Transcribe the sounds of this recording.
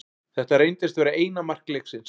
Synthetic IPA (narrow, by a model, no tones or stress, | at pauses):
θɛht̪aɾejnt̪ɪst̪vɛːɾaʔeːjnamar̥kleksɪns